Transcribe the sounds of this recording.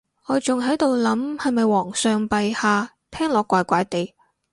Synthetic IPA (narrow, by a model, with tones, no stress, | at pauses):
ŋɔː˨˧t͡sʊ˨ŋɦɐ˨˥jt̪o˨˧wlɐ˨˥mhɐ˨jmɐ˨jwɔː˨˩ŋsœː˧ŋpɐ˨jhaː˧ | t̪ʰɛː˥ŋlɔː˨˧kːʷaː˧jkʷaː˨˥jt̪e˨j